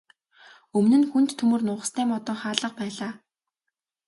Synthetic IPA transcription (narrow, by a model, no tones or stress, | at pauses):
ɵmnɘ̆nxunt̪ʰːɵmɵ̆rnʊːʁə̆st̪ʰæːmɔt̪ɞ̆ɴχaːɮə̆q̚pæːɮaː